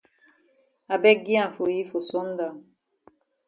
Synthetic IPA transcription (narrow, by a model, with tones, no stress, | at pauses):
a˨bɛ˦ɡi˦ã˨fo˨ji˦fo˨sɔ˦n˦da˨ŋ